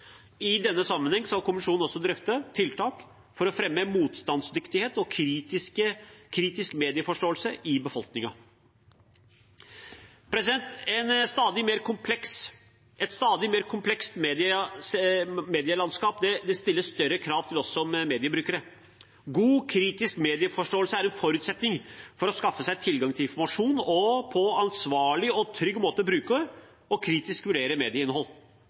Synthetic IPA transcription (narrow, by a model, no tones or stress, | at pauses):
ɪd̪ɛnːəsɑmːənhɛŋːskɑlkʰʊmɪʂuːn̩ɔsːɔd̪ɾœft̪ət̪ʰɪlt̪ʰɑːk | fɔɾɔfɾɛmːəmuːt̪st̪ɑnsd̪ʏkt̪ɪheːt̪ɔkʰɾiːt̪ɪkəkʰɾiːt̪ɪskmeːd̪ɪəfɔʂʈoːəlsəʔɪbəfɔlknɪŋɑ | pʰɾɛsɪd̪ɛnt̪ɛnst̪ɑːd̪ɪmeːɾkʊmpʰlɛks | ɛt̪st̪ɑːd̪ɪmeːɾkʰʊmpʰlɛkst̪meːd̪ɪsmeːd̪ɪəlɑnskɑːpd̪ɛd̪ɛst̪ɪlːəsst̪œɾːəkʰɾɑːʋt̪ʰɪlɔsɔmmeːd̪ɪəbɾʉːkəɾə | ɡuːkʰɾiːt̪ɪskmeːd̪ɪəfɔʂʈoːlsəæɾɛnfɔɾʉːt̪sɛt̪nɪŋfɔɾɔskɑfːəsæɪt̪ʰɪlɡɑŋt̪ʰɪlɪnfɔɾmɑʂuːnɔpʰɔɑnsʋɑːɭɪɔt̪ʰɾʏɡːmoːt̪əbɾʉːkə | ɔkʰɾiːt̪ɪskʋʉɖeːɾəmeːd̪ɪəɪnəɦɔlː